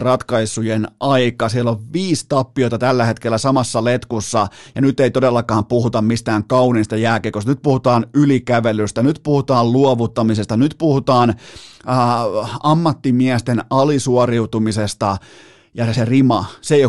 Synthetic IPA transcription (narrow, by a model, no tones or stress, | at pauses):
rɑt̪kɑisujenʔɑikɑsiælːoʋʋiːst̪ɑpːiot̪ɑt̪ælːæhet̪kelːæsɑmɑsːɑlet̪kusːɑjɑnyt̪ːˑeit̪odelːɑkɑːmpuhut̪ɑmmist̪æːŋkɑuninst̪ɑjæːkekosnyt̪̚puhut̪ɑːnylikæʋelyst̪ænyt̪puhut̪ɑːlluoʋut̪ːɑmisest̪ɑnyt̪puhut̪ɑːnː | ɑmːɑt̪ːimiæst̪enɑlisuoriut̪umisest̪ɑ | jɑserimɑsej